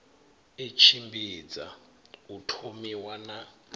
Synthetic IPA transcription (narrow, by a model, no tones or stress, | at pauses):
et͡ʃʰimbiːd͡za̰ | utʰomiwana